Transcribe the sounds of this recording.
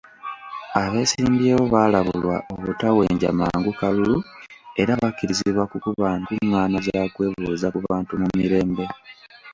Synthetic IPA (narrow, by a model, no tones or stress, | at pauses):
aβe̞ːsiːmbjeːβo̞βalaβulwaʔo̞βutawe̞ːɲɟa̰maːŋɡukalulue̞ɾaβakːiɾiziβwakukuβaːntuŋːaːnazakwe̞ːβuːzakuβaːntumumiɾe̞ːmbe̞